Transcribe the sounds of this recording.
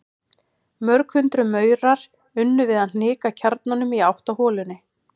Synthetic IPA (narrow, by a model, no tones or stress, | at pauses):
mœɾkʰfʏnt̪ɾʏmœːɥɾaɾ̥ | ʏnːʏvɪðan̥ɪːkacʰaɾt̪nanʏmiawht̪ahɔːlʏnːɪ